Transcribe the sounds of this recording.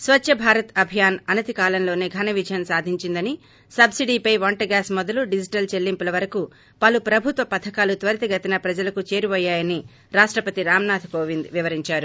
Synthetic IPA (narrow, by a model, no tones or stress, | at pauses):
sʋɐtt͡ʃːɐbʱaːɾɐt̪ɐbʱijaːnɐnɐt̪ikaːlɐnlo̞ːneːɡʱɐnɐʋid͡ʒɐjɐnsaːd̪ʱiɲt͡ʃind̪ɐni | sɐbsiɖiːpɐjʋɐɳʈɐɡaːsmɔd̪ɐluɖid͡ʒiʈɐlt͡ʃelːimpulɐʋɐɾɐku | pɐlupɾɐbʱut̪ʋɐpɐt̪ʰɐkaːlut̪ʋɐɾt̪iɡɐt̪inɐpɾɐd͡ʒɐlɐkut͡ʃe̞ːɾiʋɔːjːaːjɐni | ɾaːʂʈɾɐpɐt̪iɾaːmnaːt̪ʰkoːʋind̪ʋiʋɐɾiɲt͡ʃaːɾu